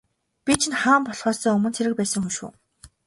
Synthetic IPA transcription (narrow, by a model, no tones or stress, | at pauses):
pʲit͡ɕʰinχaːmpɔɮχɔːsɔːɵmɵ̆nt͡sʰeɾɘ̆k̚pæːsə̆ŋxɵʃṵː